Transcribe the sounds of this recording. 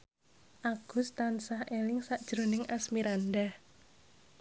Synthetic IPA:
ʔaɡ̥ʊ̤st̪ansahʔelɪŋsaʔd̥ʒ̥ɾonɪŋʔasmiɾandah

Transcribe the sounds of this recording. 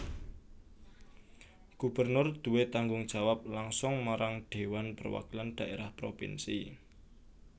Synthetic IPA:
ɡ̥ubərnʊrd̪̥ṳwet̪aŋɡʊŋd̥ʒ̥a̤wap̚laŋsʊŋmaɾaŋɖ̥e̤wanpərwa̰kilanɖ̥ä̤ʔeɾahpɾopḭnsḭ

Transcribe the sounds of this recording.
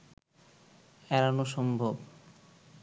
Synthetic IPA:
ɛɾanoʃɔmbʱob

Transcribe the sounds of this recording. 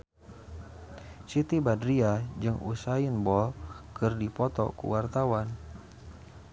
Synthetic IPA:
t͡ʃit̪ibadɾiad͡ʒɨŋʔṵsajinbɔlkɨrdipɔt̪ɔ̰kṵwart̪awan

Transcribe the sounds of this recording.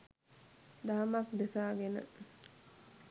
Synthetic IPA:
d̪aːmakd̪esaːɡenə̰

